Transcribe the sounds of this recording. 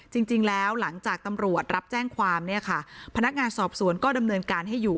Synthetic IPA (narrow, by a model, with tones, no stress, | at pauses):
t͡ɕi˧ŋt͡ɕi˧ŋlɛː˦˥wla˩˦ŋt͡ɕaː˨˩k̚t̪a˧mɾu˨˩ət̪̚ɾa˦˥p̚t͡ɕɛː˥˩ŋkʰwaː˧mni˥˩ɐkʰa˥˩pʰa˧na˦˥k̚ŋaː˧nsɔː˨˩p̚su˩˦ənkɔː˥˩da˧mnɤː˧nkaː˧nɦa˥˩jːuː˨˩